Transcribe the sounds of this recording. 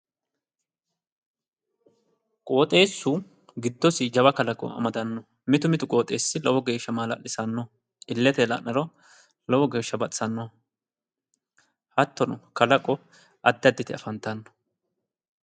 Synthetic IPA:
kʼoːt̪ʼe̞ːsːʊ | ɡɪd̪ːɔsɪd͡ʒɐbɐkɐlɐkʼɔ̰ɐ̰mɐd̪ɐnːɔ | mɪt̪ʊmɪt̪ʊkʼo̞ːt̪ʼe̞ːsːɪlɔwɔɡe̞ːʃːɐmaːlɐ̰lɪsɐnːɔ | ɪlːɛt̪ɛlɐ̰nɐɾɔ | lɔwɔɡe̞ːʃːɐbɐtʼsɐnːɔ | hɐt̪ːɔnɔkɐlɐkʼɔ | ʔɐd̪ːɪɐd̪ːɪt̪ɪɐ̰fɐnt̪ːɐnːɔ̥

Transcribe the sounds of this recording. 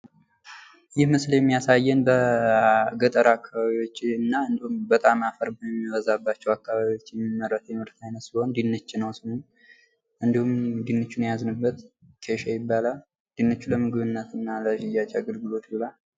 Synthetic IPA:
jɪhməsljɛmːijasajːɛnbə | ɡət̪ʼəɾaakːaβaβiwo̞t͡ʃːɨnːaɨnd̪ihumbət̪ʼamafəɾbəɛmːiwəzabːat͡ʃːɛwakːaβaβiwo̞t͡ʃːjɛmːimːərːət̪ʰjɛmɨɾt̪ʰajnət̪siho̞nd̪inːət͡ʃːɪnəwsɨhon | ʔɨnd̪ihumd̪inːət͡ʃːunjaznɨbːət̪ | kʰeʃajɪbːala | d̪̥inːət͡ʃːuləmɨɡɨβɨnːət̪ɨnːaləd͡ʒɪjat͡ʃʼɛaɡəlɡɨlo̞t̪ɨlal

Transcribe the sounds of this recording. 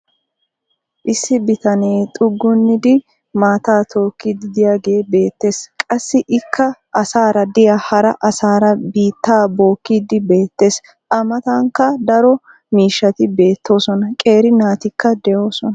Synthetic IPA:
ʔɪsːɪbɪt̪ɐneːt̪ʼʊɡːʊnːɪd̪ɪ | maːt̪aːt̪ʰo̞ːkːid̪ɪd̪ɪjaːɡe̞ːbe̞ːt̪ːe̞ːskʼɐsːɪʔɪkʰːɐʔɐsaːɾɐd̪ɪjahɐɾɐʔɐsaːɾɐbiːt̪ːaːbo̞ːkːiːd̪ɪbe̞ːt̪ːe̞ːs | ʔɐmɐt̪ɐŋkːɐd̪ɐɾɔ | miːʃːɐt̪ɪbe̞ːt̪ʰːo̞ːsɔnɐkʼe̞ːɾɪnaːt̪ɪkːɐd̪ɛjo̞ːsɔnɐ

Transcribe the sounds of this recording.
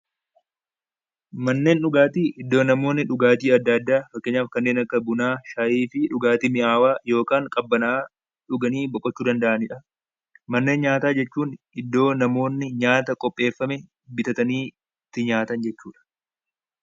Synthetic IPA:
mɐnːe̞ːnᶑʊɡaːt̪iːʔɪd̪ːo̞ːnɐmo̞ːnːɪᶑʊɡaːt̪iːɐd̪ːɐd̪ːaːfɐkːeːɲːaːfkɐnːe̞ːnɐkːɐbʊnaːʃaːʔiːfɪᶑʊɡaːt̪iːmɪʔaːwaːjo̞ːkaːŋkʼɐbːɐnɐʔaː | ᶑʊɡɐniːbɔkʼːɔt͡ʃːuːd̪ɐnd̪ɐʔɐnɪᶑɐ | mɐnːe̞ːnɲaːt̪aːd͡ʒɛt͡ʃːuːn | ɪd̪ːo̞ːnɐmo̞ːnːɪɲaːt̪ɐkʼɔpʼːe̞ːfːɐmɛ | bɪt̪ɐt̪ɐniː | t̪ːɪɲaːt̪ɐnd͡ʒɛt͡ʃːuːᶑɐ̥

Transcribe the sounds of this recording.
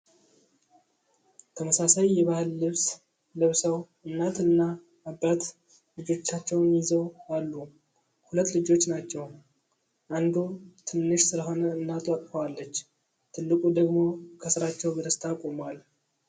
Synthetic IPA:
t̪ʰəməsasajːɛβahɨlːɨβs | lɨβsəw | ɨnːat̪ɨnːaː | bːat̪ | lɨd͡ʒo̞t͡ʃːat͡ʃːɛwnjɪzəwalːu | hulət̪ːlɨd͡ʒo̞t͡ʃːnat͡ʃːɛw | ʔand̪ot̪ʰɨnːɨʃsɨləɦo̞nəɨnːat̪ʰwak̪ʼfəwalːət͡ʃː | t̪ʰɨlːɨkʼud̪əɡmo̞kʰəsɨɾat͡ʃːɛwbəd̪əst̪ʰakʼomwal

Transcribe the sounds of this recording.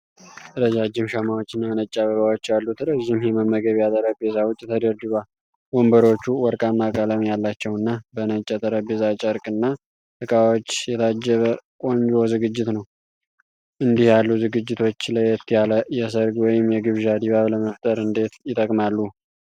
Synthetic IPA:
əɾəd͡ʒad͡ʒɪmʃamawot͡ʃːɨnːanət͡ʃʼːaβəβawot͡ʃːjalːut̪ɾəʒːɪmjɛməmːəɡəβjat̪ʼəɾəbezawʊt͡ʃʼːt̪ʰəd̪əɾd̪iβal | wombəɾo̞t͡ʃːuwɔɾkʼamakʼaləmjalːat͡ʃːɛwɨnːabənət͡ʃʼːɛt̪ʼəɾəbezat͡ʃʼəɾkʼɨnːa | t̪ɨkʼawot͡ʃːjɛt̪ʰad͡ʒːəβəkʼoɲd͡ʒozɨɡɨd͡ʒːɪt̪nəw | ʔɨnd̪ihjalːuzɨɡɨd͡ʒːɪt̪ʰo̞t͡ʃːləjɛt̪ːijaləjɛs̬əɾɡwɔjɪmjɛɡɨβʒad̪iβaβləməft̪ʼəɾɨnd̪e̞t̪jɪt̪ʼəkʼmalːu

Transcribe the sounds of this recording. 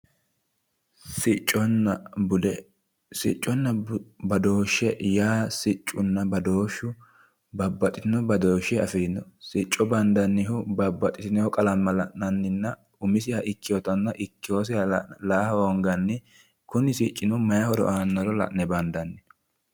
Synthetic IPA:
ssɪt͡ʃʼːɔnːɐbʊd̪ɛ | sɪ̰t͡ʃʼːɔnːɐbɐd̪o̞ːʃːɛjaːsɪt͡ʃʼːʊnːɐbɐd̪oːʃːʊ | bɐbːɐt̪ʼɪt̪ɪnɔbɐd̪oːʃɛɐfiːnːɔsɪt͡ʃʼːɔbɐnd̪ɐnːɪɦʊbɐbːɐt̪ʼɪt̪ɪnɛhɔkʼɐlɐmːɐlɐʔnɐnːɪnːɐ | ʊmɪsɪjɐʔɪkːɪjɔt̪ɐnːɐʔɪkːɪjoːs̬ɪɐlaːhɐhɔŋɡɐnːɪ | kʊnɪsɪt͡ʃʼːɪnɔmɐjɐhɔɾɔ̰ʔaːnːɔɾɔlɐ̰ʔnɛbɐnd̪ɐnːɪ

